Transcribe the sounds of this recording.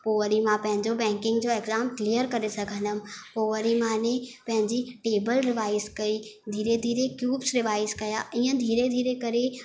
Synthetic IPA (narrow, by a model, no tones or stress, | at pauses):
poːʋəɾimãpɐ̃ɦɪ̃ɲd͡ʑobɛ̃ːŋkɪ̃ŋɡd͡ʑoeɡzaːmklijəɾkɐɾesɐɡʱə̃nəmpoːʋəɾimãnepɐ̃ɦɪ̃ɲd͡ʑiʈeːbəlɾɪʋaːɪskɐid̪ʱiːɾed̪ʱiːɾekjuːbsɾɪʋaːɪskɐjaiːə̃d̪ʱiːɾed̪ʱiːɾekɐɾe